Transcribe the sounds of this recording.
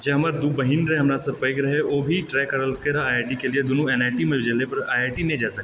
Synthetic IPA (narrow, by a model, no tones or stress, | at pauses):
d͡ʒeɦɐmaːɾd̪ubɐɦinɾɦɛ̃ɦɐmɾasɐpəjkɾɐɦeoːbʱiʈɾɛːkːəɾəlkeɾaaːeːʈikelied̪ʊnuɛːnaːɪʈimẽbʱɪd͡ʒəlepɐɾaːaːʈinɐ̃ĩd͡ʒaːsɐkː